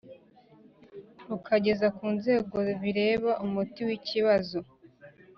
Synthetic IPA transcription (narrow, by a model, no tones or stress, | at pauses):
ɾukʰaɟe̞zakuːnze̞ːɡo̞βiɾe̞ːβaʔumutiwiciβazo